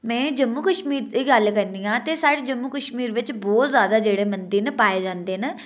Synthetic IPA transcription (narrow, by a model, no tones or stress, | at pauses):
mɛ̃ːd͡ʒəmːuːkəʃmiːɾd̪iːɡəlkəɾniːãːt̪eːsaːɽed͡ʒəmːuːkəʃmiːɾʋɪt͡ʃbɔːt̪zjaːd̪aːd͡ʒeːɽeːmənd̪iːnpaːeːd͡ʒãːnd̪eːn